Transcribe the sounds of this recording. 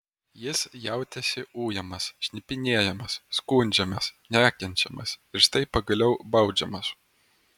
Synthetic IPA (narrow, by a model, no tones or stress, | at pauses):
jɪsjɛˑʊt̪ʲɛsʲɪuːjɛmɐsʃʲnʲɪpʲɪnʲiɛjɛmɐsːkuːnʲd͡ʒʲɛmɐsnʲæːkʲɛnʲt͡ʃʲɛmɐsɪɾʃt̪ɐɪpɐɡɐlʲɛʊbɐʊd͡ʒʲɛmɐs